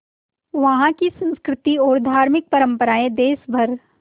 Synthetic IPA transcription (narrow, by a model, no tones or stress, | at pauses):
ʋɐɦãkisə̃nskɾɪt̪iɔːɾd̪ʱaːɾmɪk̚pɐɾə̃mpəɾaːẽd̪eːsbʱɐɾ